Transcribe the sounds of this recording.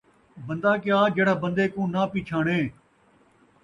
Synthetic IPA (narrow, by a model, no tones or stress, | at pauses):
bənd̪aːkjaːd͡ʒeːɽaːbə̃nd̪eːkũːnaːpiːt͡ʃʰaːɳeː